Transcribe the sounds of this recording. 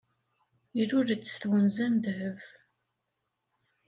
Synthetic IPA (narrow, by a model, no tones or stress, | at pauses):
iɾʊɾət͡sːə̥sθwənzænd̪həv